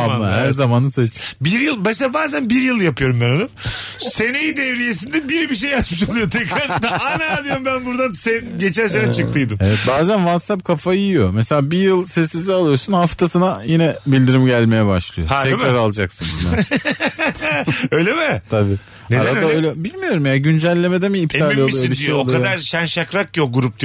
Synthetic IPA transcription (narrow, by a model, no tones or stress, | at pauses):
amːahæɾzamanɯset͡ʃbiɾjɯlˠbeselabaːzænbiɾjɯlˠjapɯjo̞ɾumbɛɾanɯm | se̞nejid̪evɾijes̬ind̪ɛbiɾbiʃ̬ejːat̪mɯʃalˠɯjot̪ʰɛkɾaɾd̪aajnajanˠɯjɾmbænbuɾd̪ansenɟe̞t͡ʃælʲsenɛt͡ʃʰɯkt̪ʰɯjd̪ɯmevɛt̪baːzænvat̪sap̚kʰafajijijo̞meselʲaːbijɯlˠsɛsːizialˠɯjo̞sunhaft̪ʰasɯnajinɛbilʲd̪iɾimɟælʲme̞jɛbaʃlˠɯjohaɛkɾaɾalˠad͡ʒaksɯna | ø̞jlʲemɪt̪ʰabiː | nedaɾadd̪aøjlʲɛbilʲmijo̞ɾumjaɟynd͡ʒælʲːe̞me̞d̪emiːpt̪ʰaːlʲˠialˠjobiʃijejoaolˠkaod̪aɾʃænʃakɾak̚cioɡuɾup̚d̪